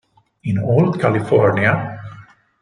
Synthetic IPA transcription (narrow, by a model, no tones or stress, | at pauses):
ɪ̃nɔːld̪kʰælɪfɔɹnia